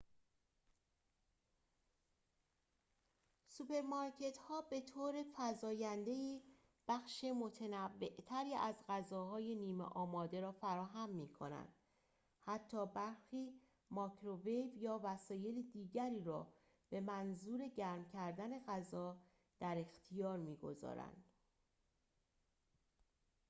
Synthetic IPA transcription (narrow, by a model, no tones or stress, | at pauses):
supʰe̞ɾmɒɾcʰe̞t̪hɒːbe̞t̪ʰoːɾe̞fæzɒːjænd̪e̞jiː | b̥æxʃemo̞t̪ʰenævːe̞ʔt̪ʰæɾiːʔæzɢæzɒːhɒːje̞niːmḛʔɒːmɒːd̪e̞ɾɒːfæɾɒːɦæmːiːkʰo̞̰næ̰nd̪̥ | hæt̪ʰːɒːbæɾxiː | mɒːkʰɾovejvjɒːvæsɒːje̞lid̪iːɟæɾiːɾɒ̰ː | b̥e̞mænzuːɾe̞ɟæɾmcʰæɾd̪æne̞ɣæzɒː | d̪̥æɾe̞xt̪ʰijɒːɾmiːɡo̞̰zɒ̰ːɾæ̰nd̪̥